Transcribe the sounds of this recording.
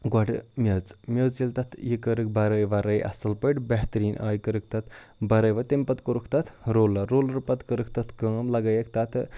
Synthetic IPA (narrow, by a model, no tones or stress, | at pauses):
ɡɔʈmʲɐt͡smʲət͡silt̪ɐt̪ʰjikəɾɨk̚bɐɾəjʋɐɾəjʔɐ̰sɨlpəʈbɛɦt̪ɾiːnʔa̰ːjkəɾɨk̚t̪ɐt̪ʰbɐɾɐjʋɐt̪empɐt̪koɾukʰt̪ɐt̪ʰɾoːlɐɾoːlɐɾpɐt̪kəɾɨkʰt̪ɐt̪ʰkəːmlɐɡɐjekt̪ɐt̪ʰ